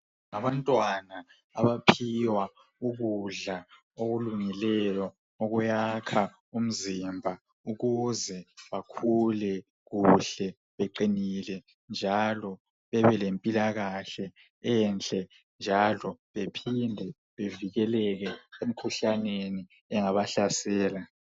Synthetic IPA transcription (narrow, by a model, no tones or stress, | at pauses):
ŋaβantʼwana | aβapʰiwa | uɣuɮa | oɣuluŋilɛjɔ | oɣujakʰa | um̩zimbʱa | uɣuzɛβakʰulɛ | ɣuɬɛ | βeǃinilɛ | nd͡ʒʱalɔ | βɛβɛlempʼilaɣaɬɛ | ɛnt͡ɬʼɛ | nd͡ʒʱalɔβepʰindʱɛ | βeviɣɛlɛɣɛem̩kʰuɬaneni | ɛŋaβaɬasɛːla